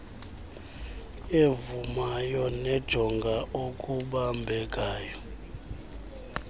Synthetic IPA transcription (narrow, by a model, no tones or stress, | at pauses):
evumajɔnɛd̥ʒ̥ʱɔŋɡʱaʔokʼuɓambʱɛk̬ʼaːjɔ